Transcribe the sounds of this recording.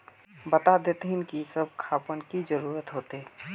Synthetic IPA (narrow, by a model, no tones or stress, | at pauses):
bət̪ad̪et̪ɦɪnkisəb̚kʰaːpənkid͡ʒəɾuːɾət̪ɦoːt̪e